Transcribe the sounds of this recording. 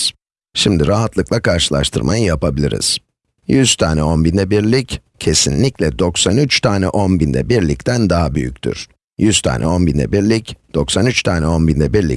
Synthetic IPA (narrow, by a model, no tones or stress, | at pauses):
ʃimd̪iɾaɦat̪lˠɯklˠakʰaɾʃɯlˠa̰ʃt̪ʰɯɾma̰jɯjapʰabilʲḭɾḭz̥ | jyz̥t̪ʰaːnɛo̞nbind̪ɛbiɾlʲic | cʰe̞sinlʲiclʲɛd̪o̞ksanyt͡ʃt̪ʰaːnɛʔo̞nbind̪ɛ̰biɾlʲict̪ʰænd̪aɦabyjy̰cʲt̪ʰy̰ɾ̥ | jyz̥t̪ʰa̰ːnʔɛ̰o̞nbind̪ɛ̰biɾlʲicd̪̥o̞ksanyt͡ʃt̪ʰaːnɛo̞nbind̪ɛbiɾlʲḭ